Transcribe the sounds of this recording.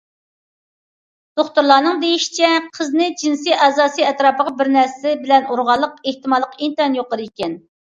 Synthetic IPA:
d̪̥oχt̪uɾlˠɑːnɨŋd̪ejiʃi̥t͡ʃʰɛqʰəznɨd͡ʒinsɨjɑzɑːsɨɛt̪ɾɑːpəʁɑbɪɾnæɾsɪbɪlɛnuɾʁɑlˠːəqeht̪ɨmɑlˠːəqint̪ɑnjoqəɾɨikʲɛn

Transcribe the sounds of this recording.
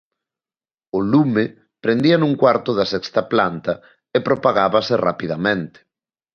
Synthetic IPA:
ʊlume | pɾend̪iɐnũŋkwaɾt̪ʊðɐsɛkst̪ɐplant̪ɐ | epɾopaɣaβɐsɪra̰piðamẽnt̪e̥

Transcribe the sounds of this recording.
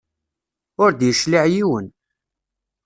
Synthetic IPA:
ʊɾd̪jəʃliʕjiwən

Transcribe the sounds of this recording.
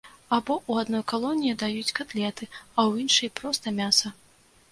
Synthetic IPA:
abɔʔuad̪nɔjkalˠɔnʲijid̪ajut͡sʲkat̪lʲɛt̪ɨɐwjinʂɐjpɾɔst̪ɐmʲasɐ

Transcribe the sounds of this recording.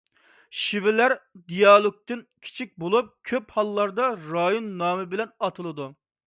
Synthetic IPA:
ʃivɪlæɾd̪ijɑlˠok̚t̪ɨnkʲʰi̥t͡ʃʰik̚ʲbolˠup̚kʲʰøphɑlˠːɑɾd̪ɑɾɑjonːɑːmɨbɪlɛnɑt̪ʰɨlˠɨd̪u

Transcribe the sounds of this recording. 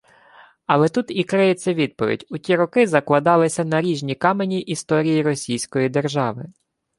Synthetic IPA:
ɐlˠɛt̪ut̪ikɾɪjesʲɛʋʲid̪̚pɔʋʲḭdʲʊtʲiɾɔkɪzɐklˠɐd̪ɑlˠɪsʲɐnɐɾʲiʒnʲikɑmenʲiʔist̪ɔɾʲijiɾɔsʲijsʲkɔjid̪erʒɑʋɪ

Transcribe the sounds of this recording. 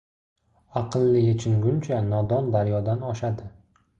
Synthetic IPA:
aqʰɨlˠːɪjet͡ʃʰɪŋɡʲʊnt͡ʃʰanɒd̪ɒnd̪aɾjɒd̪anɒʃad̪ɪ

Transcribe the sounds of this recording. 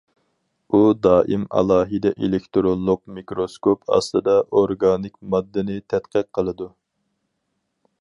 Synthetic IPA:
ud̪ɑːʔimɑ̰lˠɑːɦid̪ɛʔelɪkʲt̪ɾonlːˠʊq̚mikɾoskʰopʰɑ̰slˠɨd̪ɑʔoɾɡɑːnɪkʲmɑd̪ːɨnɨt̪ʰɛt̪qʰəq̚qʰəlˠɨd̪u

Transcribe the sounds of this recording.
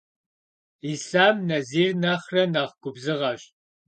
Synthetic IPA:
iːsaːmnɐziːrnaχrɐnaːʁɡʷʊbzɨʁɐɕ

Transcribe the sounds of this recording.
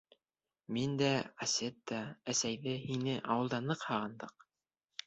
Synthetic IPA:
mind̪æɑsʲet̪̚d̪ɑæsæjðɘhinɘʔɑwɤ̆lˠd̪ɑnɤqhɑʁɤ̆nd̪ɤq̚

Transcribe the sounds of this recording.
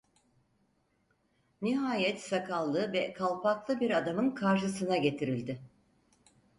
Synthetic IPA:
niɦaːjɛt̪sakʰalˠːɯvɛkʰalˠpʰaklˠɯbiɾad̪amɯnkʰaɾʃɯsɯnaɟe̞t̪ʰiɾilʲd̪ɪ

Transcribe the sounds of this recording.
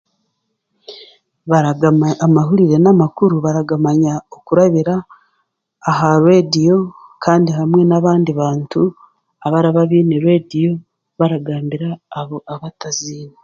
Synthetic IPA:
βaɾaɡamaamaɦuɾiɾe̞namakuɾuβaɾaɡamaɲaokuɾaβiɾaː | ɦaɾwedio̞kʰaːndiɦamŋe̞naβaːndiβaːntu | aβaɾaβaβiːniɾwedijo̞ | βaɾaɡaːmbiɾaːβoʔaβataziːna

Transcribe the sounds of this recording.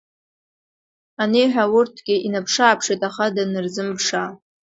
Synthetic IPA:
anejħʷᶣawʊrtʰɡ̥ʲɪʔinapʰʂaːpʰʂejtʼaχadanɨrzɨmpʰʂa

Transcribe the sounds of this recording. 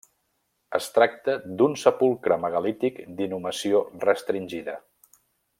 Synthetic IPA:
əst̪ɾak̚t̪əd̪unsəpulˠkɾəməɣəlit̪ikd̪inuməsiorəst̪ɾinʲʒiðə

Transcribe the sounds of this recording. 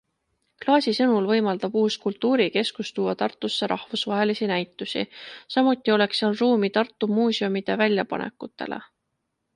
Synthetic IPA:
klɑːsʲisɤnulvɤ̞jmɑld̪̥ɑb̥uːskult̪ːuːɾike̞skust̪uːɑt̪ɑrt̪ːˑusːe̞ɾʔɑhvusvɑɦe̞lisinæjt̪ːˑusḭsɑmut̪ːˑio̞le̞ksɑlruːmit̪ɑrt̪ˑːumuːsio̞mid̪̥e̞vælʲjɑpɑ̰nʔḛkːˑut̪ːˑe̞̰lʔḛ

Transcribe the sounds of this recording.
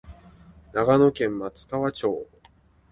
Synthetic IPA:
naɡano̞kẽ̞mːat͡sɨ̥k̪aβat͡ɕo̞ː

